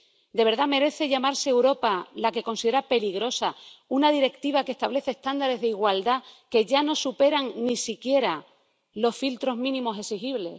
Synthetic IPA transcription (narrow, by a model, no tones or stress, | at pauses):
d̪e̞βe̞ɾðame̞ɾe̞θe̞ʝamaɾse̞ːwɾo̞palake̞ko̞nsiðe̞ɾape̞liɣɾo̞saunað̞iɾe̞kt̪iβ̞akeht̪aβle̞θest̪and̪aɾe̞zðeiɣwald̪ake̞ʝano̞supe̞ɾaŋnisikje̞ɾa | lo̞sfilt̪ɾo̞zmĩnĩmo̞se̞sixiβle̞̰